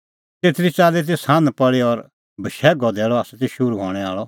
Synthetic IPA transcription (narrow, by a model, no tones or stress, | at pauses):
t̪eːt̪ɾit͡saːlet̪̬eːshãːnpɐɭeɔɾ | bʱɐʃɛːɡɔd̪ɛːɭɔaːsɛt̪eʃʊɾuɦɔ̰ːɽ̃ɛaːɭɔ